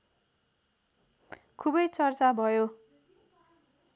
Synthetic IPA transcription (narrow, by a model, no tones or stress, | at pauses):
kʰubʌjt͡sʌrt͡sabʱʌjo